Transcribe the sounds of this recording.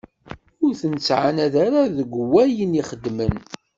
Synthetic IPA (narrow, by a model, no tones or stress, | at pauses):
ʊɾθənsʕanæðaɾaðəɡʷwːæjəniχəd̪ːmən